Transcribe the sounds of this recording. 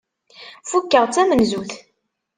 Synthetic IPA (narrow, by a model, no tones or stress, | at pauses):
fukːəʁt͡sːæmənzuθ